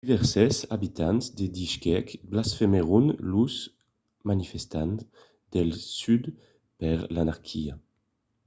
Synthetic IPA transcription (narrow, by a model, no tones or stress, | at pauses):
d̪ivɛʁsɛza̰bit̪anzd̪ed̪iʃkɛkblasfemeʁunluz | manifɛst̪anz | d̪ɛlsyd̪ | pɛʁlanaʁkʰia